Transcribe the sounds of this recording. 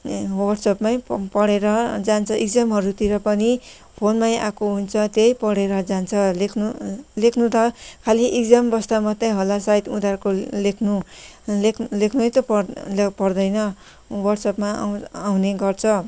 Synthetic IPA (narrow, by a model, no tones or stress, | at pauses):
wʌrsʌpmajpʌɽeɾʌd͡zant͡sʰʌiɡd͡zamɦʌɾut̪iɾʌpʌni | pʰonmajʔa̰koɦunt͡sʰʌt̪jejpʌɽeɾʌd͡zant͡sʰʌlekʰnulekʰnut̪ʌkʰaliʔiɡd͡zambʌst̪amʌt̪ːeɦolasait̪ud̪arkolekʰnu | lekʰnuʌjt̪ʌplpʌrd̪ʌjnʌ | wʌrʈsʌpmaawneɡʌrt͡sʰʌ